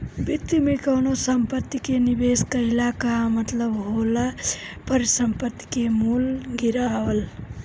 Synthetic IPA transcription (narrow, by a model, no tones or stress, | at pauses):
bit̪ːimekəwnosəmpət̪ːikenibeskəɦɪlakamət̪ləbɦolapəɾisəmpət̪ːi̥kemulɡiɾaʋəl